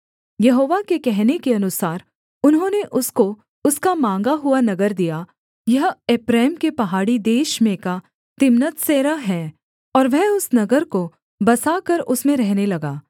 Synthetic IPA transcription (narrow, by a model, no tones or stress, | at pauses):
jɐɦoːʋakekɛɦnekeɐnʊsaːɾ | ʊnɦõːneʔʊsko | ʊskamãːŋɡaɦʊanɐɡəɾd̪ija | jɐɦeːpɾaːmkepɐɦaːɽid̪eːʃmẽka | t̪ɪmnət̪seːɾaɦɛː | ɔːɾʋɛɦʊsnɐɡəɾko | bɐsakɐɾʊsmẽɾɛɦnelɐɡaː